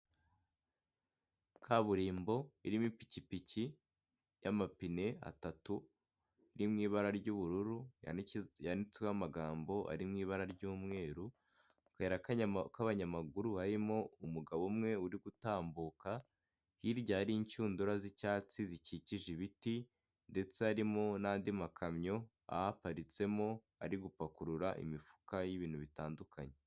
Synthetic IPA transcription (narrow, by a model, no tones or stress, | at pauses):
kʰaβuɾiːmbo̞iɾimipi̥cipici | jamapine̞a̰tatu | iɾimŋiːβaɾaɾɟuβuɾuɾujjanit͡sweamaɡaːmbo̞ʔa̰ɾimŋiːβaɾaɾɟuːmŋe̞ːɾu | kaeɾakkaβaɲamaɡuɾuhaɾimo̞umuɡaβomŋe̞uɾiɡutaːmbuka | hiɾɟahaɾiːɲt͡ʃuːnduɾazicaːt͡siziciciʒiβiti | nde̞t͡seaɾimo̞naːndimakʰamɲo̞ | a̰hapaɾit͡se̞mo̞ | a̰ɾiɡupakuɾuɾaʔḭmifu̥kajiβiːn̥huβitaːndukʰaɲe